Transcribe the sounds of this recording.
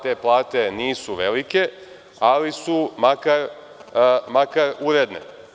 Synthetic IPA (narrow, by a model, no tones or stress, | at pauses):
t̪e̞ːplˠaːt̪e̞niːsuʋe̞like̞ | alisumakaɾ | makaɾuɾed̪nḛ